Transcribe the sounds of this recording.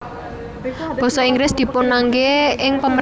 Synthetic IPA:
b̥ɔ̤sɔiŋɡlɪsd̪̥i̤punaŋɡeɪŋpəmə

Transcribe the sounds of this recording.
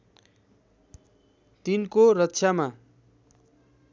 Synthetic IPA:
t̪inkoɾʌtːsʰjama

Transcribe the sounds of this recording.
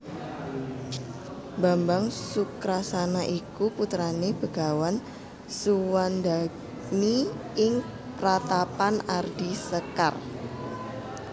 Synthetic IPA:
bambaŋsukɾasanaʔikuput̪ɾaneb̥ə̤ɡawan | suwanda | mi | ɪŋ | pɾat̪apanard̥isəka̰r

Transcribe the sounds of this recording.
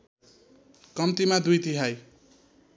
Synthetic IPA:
kʌmt̪imad̪ujt̪iɦaj

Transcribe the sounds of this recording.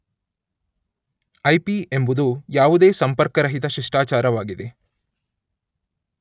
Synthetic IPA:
ɐjpie̞mbud̪ujaːʋud̪e̞ːsɐmpɐɾkɐɾɐɦit̪ɐʃiʂʈaːt͡ʃaːɾɐʋaːɡid̪e̞

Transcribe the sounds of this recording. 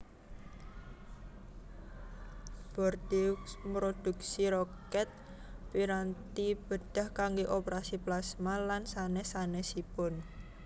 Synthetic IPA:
b̥ɔrd̪imɾod̪̥ṳk̚siɾɔkɛt̪̚ | piɾant̪ib̥əd̪̥a̤hkaŋɡoʔopeɾasiplasmalansanɛsanɛsipʊn

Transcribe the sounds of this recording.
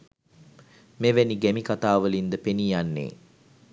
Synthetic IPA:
meʋæniɡæmikat̪aːʋəlind̪əpenijanːḛː

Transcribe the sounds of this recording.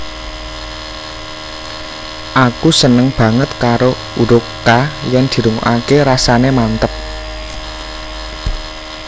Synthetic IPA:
ʔakusənəŋb̥ä̤ŋət̪kaɾo | uɾʊkajɛnd̪̥i̤ɾuŋṵʔakeɾasanemant̪əp̚

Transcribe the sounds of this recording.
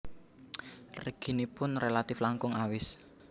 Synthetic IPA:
rəɡ̥i̤nipʊnrelat̪ɪflaŋkʊŋawɪs

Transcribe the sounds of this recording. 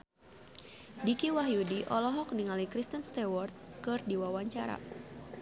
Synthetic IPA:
dikiwaɦjudiʔɔlɔɦɔk̚niŋalikɾist̪ənst̪ɛwɔrt̪̚kɨrdiwawaɲt͡ʃaɾa̰

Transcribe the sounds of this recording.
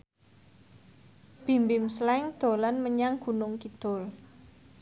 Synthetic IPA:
b̥i̤mbɪmslɛŋd̪̥o̤lanməɲaŋɡ̥ṳnʊŋkid̪̥ʊl

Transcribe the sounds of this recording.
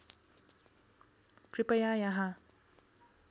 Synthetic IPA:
kɾipɐjajaɦa

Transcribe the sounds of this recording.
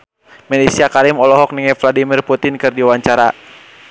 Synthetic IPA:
mɛlisiakaɾimɔlɔɦɔk̚niŋɛfladimirput̪ɪnkɨrdiwaɲt͡ʃaɾa

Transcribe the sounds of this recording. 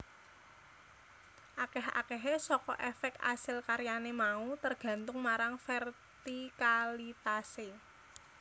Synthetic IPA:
ʔakɛɦa̰kɛɦesɔkɔ̰ʔɛfɛk̚t̪a̰sɪlkaɾjanemaut̪ərɡ̥ä̤nt̪ʊŋmaɾaŋfɛr | t̪ikalit̪ase

